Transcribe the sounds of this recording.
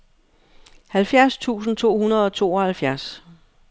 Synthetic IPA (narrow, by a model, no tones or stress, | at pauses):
hælfjæɐst͡sʰṵːsn̩t͡sʰo̝̰ːhunɐð̞ˠɒ̽t͡sʰo̝̰ːɒ̽hælfjæɐs